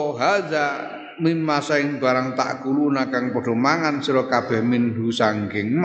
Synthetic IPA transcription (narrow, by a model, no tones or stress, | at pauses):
ɦaza | minmasaɪŋb̥a̤ɾaŋt̪a̰ʔkulunakaŋpɔɖ̥ɔ̤maŋansiɾɔkab̥ɛhminɦusaŋɡɪŋm